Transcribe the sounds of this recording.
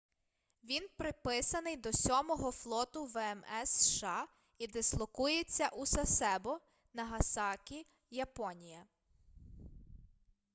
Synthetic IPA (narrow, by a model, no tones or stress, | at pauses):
ʋʲinpɾɪpɪsɐnɪjd̪ɔsʲɔmɔɦɔflˠɔt̪ʊʋɛɛmɛsʃɑ | id̪ɪslˠɔkujet͡sʲːɐʔusɐsɛbɔ | nɐɦɐsɑkʲi | jɐpɔnʲijɐ